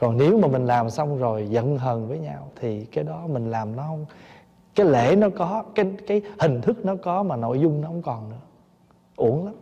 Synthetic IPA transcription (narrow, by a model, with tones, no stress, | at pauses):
kɔ˨˩nne˨˦wmaː˨˩mï˨˩ŋ̟laː˨˩msa˧wŋ͡mzo˨˩jzə̰˧˨nɦəː˨˩nvəː˨˦jɲa˧wt̪ʰi˨˩kaː˨˦jɗɔ˨˦mï˨˩ŋ̟laː˨˩mnɔ˨˦hə˧wŋ͡m | kaː˨˦jlḛ˧˩˨nɔ˨˦kɔ˨˦kaː˨˦jkaː˨˦jhï˨˩ŋ̟t̪ʰɨ˦˥k̚nɔ˨˦kɔ˨˦maː˨˩no̰˧˨jzʊ˧ŋ͡mnɔ˨˦hə˧wŋ͡mkɔ˨˩nnɨ̰˧˥ə | ʔu˧˩əŋla˨˦m